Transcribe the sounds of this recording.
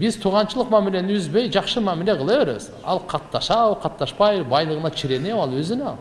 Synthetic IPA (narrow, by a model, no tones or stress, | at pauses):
bɪzt̪ʰuʁɑnʃəlˠəqmæmilʲe̞nɪnʏzbejʒɑqʃəmæmileqʰəlˠeweɾɪz | ɑ̰lˠqʰɑt̪ːɑʃɑwqʰɑt̪ːɑʃpɑjbɑjlˠəʁənɑt͡ʃʰɪɾe̞newɑlˠwɵzɪnɑl